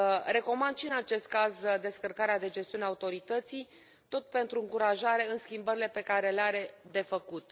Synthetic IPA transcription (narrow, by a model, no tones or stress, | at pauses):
ɾe̞ko̞mand̪ʃiɨnat͡ʃe̞st̪̚kazd̪e̞skərkaɾead̪e̞d͡ʒest̪iuneaut̪o̞ɾit̪ət̪sij | t̪o̞t̪̚pe̞nt̪ɾuɨŋkuɾaʒaɾe̞ɨnskʲimbəɾile̞pe̞kaɾe̞leaɾe̞d̪e̞fəkut̪